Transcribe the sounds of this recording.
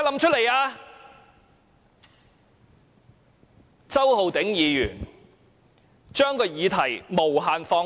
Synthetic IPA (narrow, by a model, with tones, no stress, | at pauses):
lɐ˨˧mt͡ʃʰɵ˥t̚le˨˩jaː˧ | t͡sɐ˥who˨wt̪ɪ˨˥ŋjiː˨˧jyː˨˩n | t͡ʃœː˥ŋkʰɵ˧jjiː˨˧t̪ʰɐ˨˩jmo˨˩wɦaː˨nfɔː˧